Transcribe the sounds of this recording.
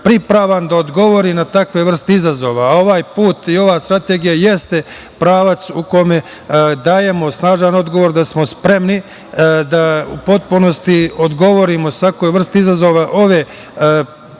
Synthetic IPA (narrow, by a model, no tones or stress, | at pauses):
pɾipɾaːʋand̪aod̪ɡo̞ʋo̞ɾinat̪akʋe̞ʋr̩st̪eizazo̞ːʋaːo̞ʋaːjpuːt̪io̞ʋaːst̪ɾat̪e̞ɡijaje̞st̪e̞ | pɾaːʋat̪suko̞me̞ | d̪aːje̞mo̞snaːʒano̞d̪ɡo̞ʋoɾd̪asmo̞spɾe̞mni | d̪aṵpo̞t̪̚puno̞st̪iod̪ɡo̞ʋo̞ɾimo̞sʋakojʋr̩st̪eizazo̞ʋaʔo̞ʋe̞